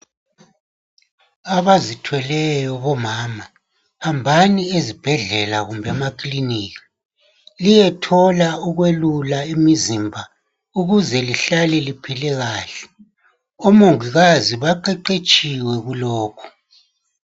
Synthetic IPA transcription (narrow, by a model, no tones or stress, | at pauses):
aβazitʰwɛlɛjɔβɔmaːma | hambʱaniezib̥ʱɛɮɛlaɣumbʱɛmakʼliniːki̥ | lijɛtʰɔlauɣwelulaimizimbʱa | uɣuzɛliɬalɛlipʰilɛɣaːɬɛ̥ | omoŋiɣaziβaǃɛǃet͡ʃʼiwɛɣulɔːkʰɔ̥